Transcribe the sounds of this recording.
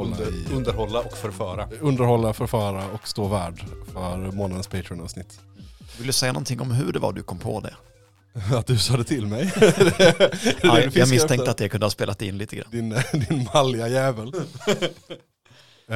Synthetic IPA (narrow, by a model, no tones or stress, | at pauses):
ɔɵnd̪əɾhɔlːaɔkfœɾfœːɾaɵnd̪əɾhɔlːafœɾfœːɾaɔkst̪oːvæːɖfœɾmoːnad̪ənspʰeɪt̪ʰɾɪʊnɑ̰ːsnɪt̪ː | d̪vɪlːəd̪sɛjːanɔnt̪ʰɪŋːɔmɦɵɖɛva̰dɖ̪ɵkʰɔmpʰɔ̰d̪ɛ̰ | at̪̚d̪ɵsɑːd̪ɛt̪ʰɪlmɛj̪ | ɛdjɑːɡmɪst̪ʰɛŋt̪əat̪̚d̪ɛkɵnd̪əhɑːspeːlat̪ɛɪnliːt̪əɡɾa̰nːd̪ɪnd̪ɪnmalɪajɛːvəl